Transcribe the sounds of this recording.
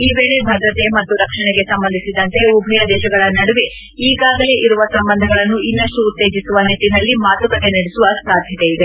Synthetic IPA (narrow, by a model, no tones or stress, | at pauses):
iːʋeːɭebʱɐd̪ɾɐt̪e̞mɐt̪ːuɾɐkʂɐɳeɡe̞sɐmbɐnd̪ʱisid̪ɐnt̪e̞ubʱɐjɐd̪ɛːʃɐɡɐɭɐnɐɽuʋe | iːɡaːɡɐle̞ʔiɾuʋɐsɐmbɐnd̪ʱɐɡɐɭɐnːuʔinːɐʂʈuːt̪ːeːd͡ʒisuʋɐnit̪inɐlːimaːt̪ukɐt̪e̞nɐɽesuʋɐsaːd̪ʱjɐt̪eid̪e̞